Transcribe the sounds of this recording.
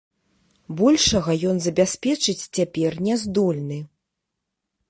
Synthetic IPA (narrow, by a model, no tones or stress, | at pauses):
bɔlʲʂɐɣɐjɔnzɐbʲɛsʲpʲɛt͡ʂɨt͡sʲt͡sʲapʲɛrnʲɛzd̪ɔlʲnɨ